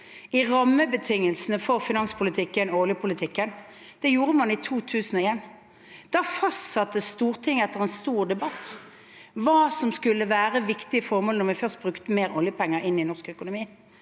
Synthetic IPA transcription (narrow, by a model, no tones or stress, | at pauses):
ɪʁɑmːəbət̪ʰɪŋːəlsənəfɔʁfɪnɑnspʰʊlɪt̪ʰɪkːənɔɔljəpʰʊlɪt̪ʰɪkːən | d̪̥ɛjuːɾəmɑnɪt̪ʰuːt̪ʰʉːsən̩ɔeːn | d̪̥ɑfɑst̪sɑt̪ːəst̪uːʁt̪ʰɪŋːɛt̪ːəʁɛnst̪uːʁd̪ɛbɑt̪ː | ʋɑːsɔmskʉlːəʋæːʁəʋɪkt̪ɪəfɔʁmɔːlnɔʁʋɛfœʁst̪̚bʁʉkt̪əmeːʁɔljəpʰɛŋːəɾɪnːɪnɔʁskœkʊnʊmiː